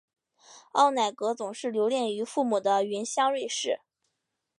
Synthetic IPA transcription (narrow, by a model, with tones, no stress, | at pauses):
ɑ˥˩ʊna˨˩ɪkɤ˧˥t͡sʊ˨˩ŋʂɻ̩˥˩ljo˧˥ljɛ˥˩ny˧˥fu˥˩mu˨˩d̪ə˦y˧˥nɕjɑ˥ŋɻwe˥˧ɪʂɻ̩˥˩